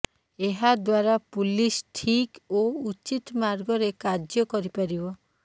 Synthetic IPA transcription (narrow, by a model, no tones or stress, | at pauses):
eɦad̪waɾapulisʈʰikout͡ʃit̪maɾɡɔɾekad͡ʒjɔkɔɾipaɾibɔ